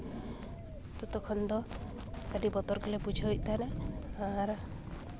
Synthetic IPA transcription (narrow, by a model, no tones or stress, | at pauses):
t̪ɔt̪ɔkʰɔnd̪ɔ | k̪aɖibɔt̪ɔɾkilepud͡ʒʱaɦʔt̪aneaɾ